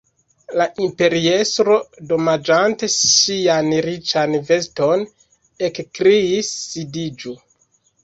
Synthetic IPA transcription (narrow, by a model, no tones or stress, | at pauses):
laʔimpe̞ɾie̞stɾo̞do̞mad͡ʒante̞sianɾit͡ʃanve̞sto̞n | e̞kkɾiisːidid͡ʒu